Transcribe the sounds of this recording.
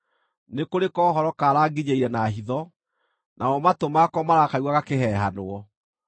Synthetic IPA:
nekoɾekɔːhɔɾɔkaːɾaːɡiɲeiɾɛnaɦiðɔ | nʔaɔmatomakɔmaɾakawaɣakehɛɦanoɔ

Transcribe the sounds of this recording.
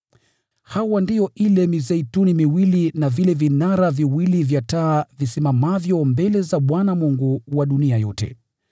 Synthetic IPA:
hawandijɔʔilɛmizɛitunimiwilinavilɛvinaɾaviwilivjataːvisimamavjɔmbɛlɛzaɓwanamuŋɡuwaɗuniajɔ̰tɛ̰

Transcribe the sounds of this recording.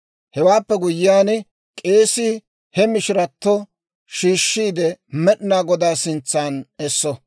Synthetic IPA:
hɛwaːpːɛɡʊjɪjaːn | kʼe̞ːsɪ | hɛmɪʃɪɾɐt̪ːɔ | ʃiːʃːiːd̪ɛmɛɗɪnaːɡɔd̪aːsɪnt͡sːaːnɛsːɔ

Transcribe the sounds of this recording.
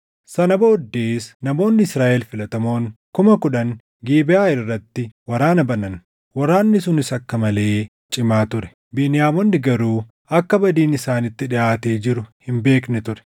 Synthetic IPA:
sɐnɐboːd̪ːeːsnɐmo̞ːnːɪɪsɾaːʔɛlfɪlɐt̪ɐmo̞ːŋkʊmɐkʊᶑɐŋ | ɡiːbɪaːɪrːɐt̪ːɪwɐɾaːnɐbɐnɐn | wɐɾaːnːɪs̬ʊnɪsɐkːɐmɐle̞ː | t͡ʃʼɪmaːt̪ʊɾɛ̥ | biːnɪjaːmonːɪɡɐɾuː | ɐkːɐbɐd̪iːnɪsaːnɪt̪ːɪᶑɪʔaːt̪eːd͡ʒɪɾʊhɪmbe̞ːknɛt̪ʊɾɛ̥

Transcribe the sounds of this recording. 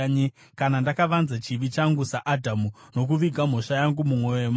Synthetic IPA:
ɲe | kanandakaʋanzat͡ʃiʋit͡ʃaŋɡusaʔadʱamuno̞k̬uʋiɡʱam̤o̞ʂajaŋɡumumwo̞jojem

